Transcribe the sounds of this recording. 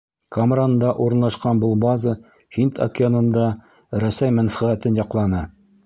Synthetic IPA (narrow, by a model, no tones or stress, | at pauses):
kamrand̪ɑʔuɾɤ̆nlˠɑʃqɑnbolˠbɑzə | hint̪ʰɐ̰kʲɪonɤ̆nd̪ɑ | ɾæsæjmænfæʁæt̪ɘnjɑqlˠɑnɤ